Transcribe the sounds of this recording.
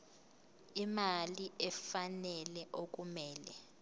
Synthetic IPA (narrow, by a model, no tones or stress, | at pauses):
imaliɛfanɛlɛʔok̬umɛːlɛ